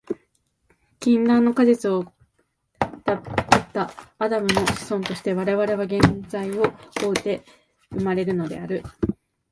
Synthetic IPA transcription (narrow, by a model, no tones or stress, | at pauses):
kʲĩnd̪ãnːo̞kazet͡sɨo̞ | t̪apet̪ːaːd̪amɯ̟no̞ɕi̥sõ̞nt̪o̞ɕi̥t̪e̞βaɾe̞βaɾe̞β̞aɡẽ̞nd͡zaio̞oːɯt̪e̞ | ɯ̟maɾe̞ɾɯ̟no̞d̪e̞̰aɾɯ̟